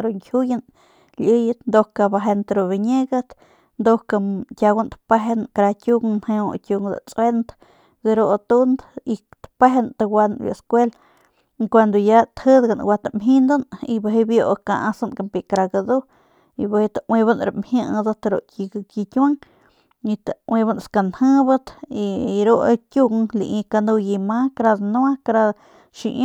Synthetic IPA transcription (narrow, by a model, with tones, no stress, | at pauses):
ɾoŋkʲʰu˦ja˦n | lʲijɨt̪nd̪o˧ka˧ba˧ɦe˧nt̪aɾu˧βi˧ɲe˦ɡat̪ | nd̪o˦ka˧tʲa˧ɡa˦nt̪pe˦ɦenkɾa˧kʲu˦ŋnhe˧otʲu˧ŋd̪a̰˨t͡sʼwe˦nd̪ | ɡɾot̪u˦nd̪it̪pe˦ɦent̪a˧wa˧nbjo̰˨skʷe˦l | kʷa˧nd̪o˧ja˦t̪hə˦d̪ɡa˧nwʷa˧t̪amɦĩ˧nd̪o˦ni˧ba˧ɦe˧bjo˧ʔka˧ʔa˧sa˧nka˧mpi˧kɾa˧ɡa˧d̪u˦ | i˧ba˧he˧t̪aʔwĩ˧banɾa̰˨mhi˦ʔd̪a˧t̪a˧ɾo̰˧ʔki˧ki˧kʲwa˦ŋ | i˧t̪a˨wʔĩ˧ba˧nska˧nhɨ̃˦ba˦t̪i˧ɾo˦ʔkʲju˧ŋlḭ˧ʔĩ˧ka˧nd̪u˧ji˧ma˦kɾa˧d̪nu˦a˦kɾa˧ | ʃḭ˧